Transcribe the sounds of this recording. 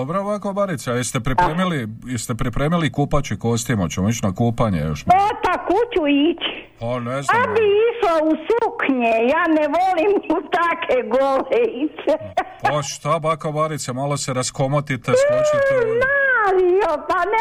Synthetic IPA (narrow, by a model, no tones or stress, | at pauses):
obɾoβakobaɾit̪seajest̪epɾipɾemilijest̪epɾipɾeːmilikuːpat͡ʃikost̪imot͡ɕemoit͡ʃnakuːpaɲḛjoʃmot̪akut͡ʃuit͡ʃpanezabiiʃlousukɲejaːnɛʋolimut̪akeɡoleit͡ʃepaʃt̪abakobaɾit̪semoleseɾaskomot̪it̪esonaɾiopan